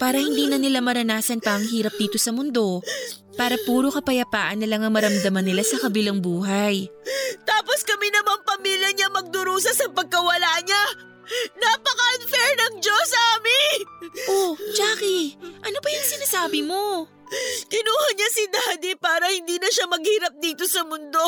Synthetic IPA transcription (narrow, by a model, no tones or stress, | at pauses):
paːɾɐhɪnd̪iːnɐnɪlamɐɾɐnaːsɐnpɐʔɐŋɦiːɾɐp̚d̪iːt̪o̞sɐmʊnd̪o̞ | paːɾɐpuːɾokɐpɐjɐpaːʔɐnːɐlaŋɐŋmɐɾɐmd̪ɐmɐnːɪlasɐkɐbɪlaŋbuːɦɐjt̪aːpo̞skɐminɐmaŋpɐmiːljɐɲɐmɐɡ̚d̪ʊɾuːs̬ɐsɐpɐɡ̚kɐwɐlaɲa | napɐkɐʔɐnfɛɹnɐŋd͡ʒosaːmɪʔod͡ʒaːkiʔɐno̞bɐjʊŋsɪnɐsaːbɪmo̞ | kɪnuːhɐɲasid̪aːd̪ipaːɾɐhɪnd̪iːnɐʃamɐɡ̚hiːɾɐp̚d̪iːt̪osɐmʊnd̪o̞